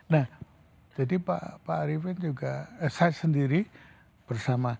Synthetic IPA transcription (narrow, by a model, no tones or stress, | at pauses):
nah | d͡ʒadipa̰paɾifɪnd͡ʒuɡasasəndiɾi | b̥ərsama